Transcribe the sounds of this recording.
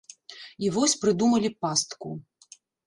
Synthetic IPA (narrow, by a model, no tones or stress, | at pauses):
ivɔsʲpɾɨd̪umɐlʲipast̪ku